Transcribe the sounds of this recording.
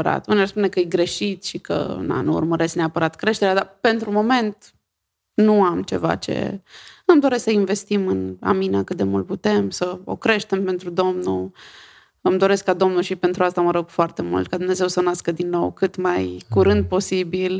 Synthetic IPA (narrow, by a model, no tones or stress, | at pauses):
əɾa̰t̪uniarspune̞kəjeɡɾe̞ʃit̪ʃikə̰ɨ̰na̰nuṵrməɾe̞skneapəɾat̪kɾe̞ʃt̪e̞ɾead̪ape̞nt̪ɾumo̞me̞nt̪ | nuamt͡ʃe̞va̰t͡ʃe̞̰ɨmd̪o̞ɾe̞sksəinve̞st̪imɨna̰minakɨt̪̚d̪e̞mult̪̚put̪e̞msəo̞̰kɾe̞ʃt̪e̞mpe̞nt̪ɾud̪o̞mnṵ | ɨmd̪o̞ɾe̞skkːad̪o̞mnuʃipe̞nt̪ɾuast̪aməɾo̞ɡ̥foart̪e̞mṵlt̪̚kad̪umne̞ze̞wsənaskəd̪inːo̞̰wkɨt̪majkuɾɨnd̪̚po̞sibil